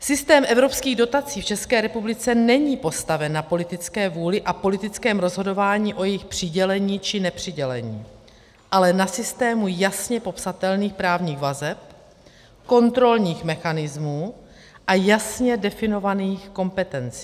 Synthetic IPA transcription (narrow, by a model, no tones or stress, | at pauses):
sɪst̪ɛːmʔɛvɾo̞pskiːɣdo̞t̪at͡siːft͡ʃɛskɛːɾɛpublɪt͡sɛnɛɲiːpo̞st̪avɛnːapo̞lɪt̪ɪt͡skɛːvuːlɪʔapo̞lɪt̪ɪt͡skɛːmɾo̞zɦo̞do̞vaːɲiːʔo̞jɛjɪxpr̝̥ɪɟɛlɛɲiːt͡ʃɪnɛpr̝̥ɪɟɛlɛɲiː | ʔalɛnasɪst̪ɛːmujasɲɛpo̞psat̪ɛlniːxpɾaːvɲiːɣvazɛp̚ | ko̞nt̪ɾo̞lɲiːxmɛxanɪzmuː | ʔajasɲɛdɛfɪno̞vaniːxko̞mpɛt̪ɛnt͡si̥